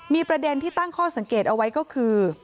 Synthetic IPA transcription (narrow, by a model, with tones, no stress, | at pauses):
miː˧pɾa˧de˧nt̪ʰiː˥˩t̪a˥˩ŋkʰɔː˥˩sa˩˦ŋkeː˨˩t̪̚ʔa˧wa˦˥jkɔː˥˩kʰɯː˧